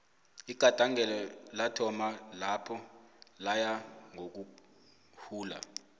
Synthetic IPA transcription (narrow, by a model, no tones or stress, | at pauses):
iɡ̥ʱatʼaŋɛlɔlatʰɔmalapʰɔlajaŋok̬u | huːla̰